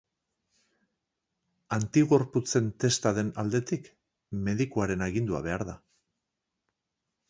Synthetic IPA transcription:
ant̪iɣo̞ɾput͡se̞nt̪e̞st̪aðe̞nald̪e̞t̪ik | me̞ðikuaɾe̞naɣind̪ua̰β̞e̞aɾða

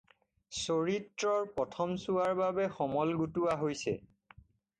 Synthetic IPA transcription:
soɹitɹɔɹpɔtʰɔmsuaɹbabɛxɔmɔlɡutuaɦojsɛ̰

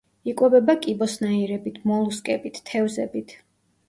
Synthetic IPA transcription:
ikʼwɔbɛbakʼibɔsnaiɾɛbit̪ʰmɔlˠuskʼɛbit̪ʰt̪ʰːɛvzɛbit̪ʰ

